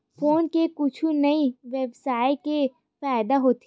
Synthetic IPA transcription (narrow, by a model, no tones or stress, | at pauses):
foːnkekʊt͡ʃʰunɐiʋeːbsaːɪke | faːjd̪aɦoːt̪i